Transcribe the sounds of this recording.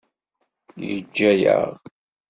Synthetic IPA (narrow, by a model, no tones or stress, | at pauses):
jəd͡ʒːæjə̰ʁ